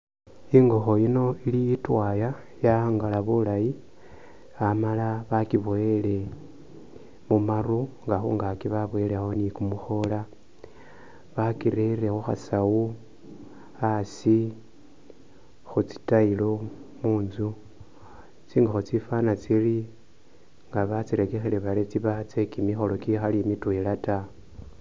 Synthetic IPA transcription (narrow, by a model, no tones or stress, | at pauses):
iŋɡo̞xo̞jino̞ilijitwaja | jaŋɡalaβulaji | amalaβakiβoele̞ | mumaruŋɡaxṵŋɡakiβaβwelexonikumuxo̞la | βakiɾeɾe̞xuxa̰sau | asi | xut͡si̥tailo̞muːnzu | t͡siːŋɡaxut͡sifanat͡sili | ŋɡaβat͡siɾekexele̞βaɾet͡siβat͡se̞kimixo̞lo̞kixalimitwelata